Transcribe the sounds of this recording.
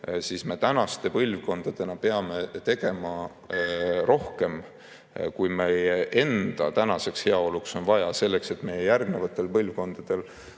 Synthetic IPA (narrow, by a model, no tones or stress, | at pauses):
sisme̞t̪ænɑst̪e̞pɤlʲvko̞nd̪̥ɑd̪̥e̞nɑpe̞ɑme̞t̪e̞ɡ̥e̞mɑ | rʔo̞hke̞m | kujmejeʔe̞nd̪̥ɑ̰t̪ænɑse̞kshe̞ɑo̞lukso̞nvɑjɑse̞lːe̞kse̞t̪ːˑme̞jejærɡnevɑt̪ːˑe̞lpɤlvko̞nd̪̥ɑd̪̥e̞l